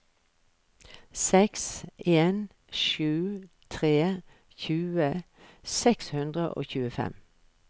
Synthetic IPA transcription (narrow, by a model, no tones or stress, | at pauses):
sɛkseːn | ʃʉːt̪ʰʁeː | çʉːə | sɛkshʉnd̪ʁəʔo̰ːçʉːəfɛ̰m